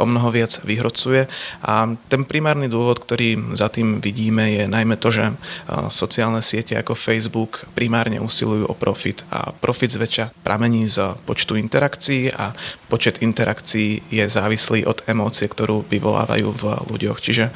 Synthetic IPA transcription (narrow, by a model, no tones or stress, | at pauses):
ʔɔmnɔɦɔʋɪad͡zʋiɦɾɔt͡sujɛʔat̪ɛnpɾimaːɾnid̪ʊɔʋɔt̪kt̪ɔɾiːzat̪iːmʋiɟiːmɛjɛnajmɛt̪ɔʒɛ̰sɔt͡siaːlnɛsɪɛcɛa̰kɔfɛjzbukpɾimaːɾɲɛ̰ʔuːsḭlujuːʔɔ̰pɾɔfit̪a̰pɾʔɔfid̪zʋɛt͡ʃapɾʔamɛɲiːzpɔt͡ʃt̪uint̪ɛɾakt͡siiːʔapɔt͡ʃɛd̪int̪ɛɾakt͡siiːjɛzaːʋisliːʔɔd̪ɛmɔːt͡siɛkt̪ɔɾuːʋiʋɔla̰ːʋa̰jṵːvlṵɟɔxt͡ʃiʒɛ